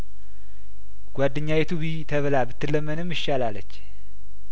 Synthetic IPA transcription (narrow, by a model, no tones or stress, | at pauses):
ɡ̥ʷwadːɨɲːajɛt̪ʰuβit̪ʰəβlabɨt̪ːɨlːəmːənɨmɨʃːalalət͡ʃː